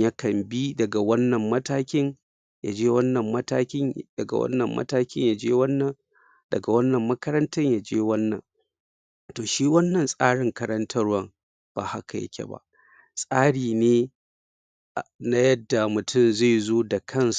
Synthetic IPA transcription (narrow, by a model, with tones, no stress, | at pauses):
ja˦kɐ˨mbi˦dɐ˨ɡa˨wɐ˦nːɐ˨mːɐ˦taː˦kʲɪ˦ɲ | ja̰˨d͡ʒeː˦wɐ˦nːɐ˨mːɐ˦taː˦kʲɪ˦ɲdɐ˨ɡa̰˨wɐ̰˦nːɐ˨mːʔɐ̰˦taː˦kʲɪ˦ɲja˨d͡ʒeː˦wɐ˦nː˨ | dɐ̰˨ɡa˨wɐ˦nːɐ˨mːɐ˦kɐ˦ɾɐ˦ntɐ˦ɲja˨d͡ʒeː˦wɐ˦nːɐ̰˨ŋ | toː˨ʃiː˦wɐ˦nːɐ˨nsʼaː˦ɽɪ˨ŋkɐ˦ɾɐ˦ntʰɐ˦rwɐ˦ŋ | b̥a̰ː˨ha˦ka˨jɐ̰˦kʲʰɛ̰˨ba̰˦˨ʔ | sʼaː˦ɽiː˨neː˦˨ | na˦jɐ˦dːa˨mʊ˨tʰʊ˦˨mza˦˨jzoː˦da˨kʰɐ˦ns